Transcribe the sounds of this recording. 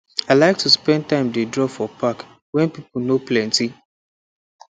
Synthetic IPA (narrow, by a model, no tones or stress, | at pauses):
aɪlaɪk̚tʰuspɛ̃n̚tãɪ̃mdedɹɔfɔpak | wɛ̃npipl̩noplɛ̃nti